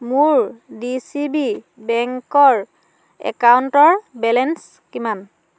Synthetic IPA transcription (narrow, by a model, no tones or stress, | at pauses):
muɹdisibi | bɛŋkɔɹ | ɛ̰kawntɔɹbɛlɛns | kiman